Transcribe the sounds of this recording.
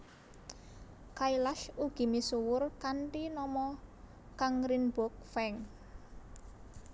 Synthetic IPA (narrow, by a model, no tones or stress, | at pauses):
kailaʃuɡ̥i̤misuwʊrkanʈinɔmɔ | kaŋɾinbɔk̚fɛŋ